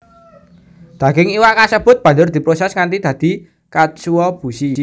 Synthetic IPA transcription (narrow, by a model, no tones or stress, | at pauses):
d̪̥ä̤ɡɪŋiwaʔkasəb̥ʊ̤t̪̚b̥ä̤nd͡ʒʊrd̪̥i̤pɾosɛsŋant̪id̪̥ä̤d̪̥i̤ | kasuwɔb̥ṳsi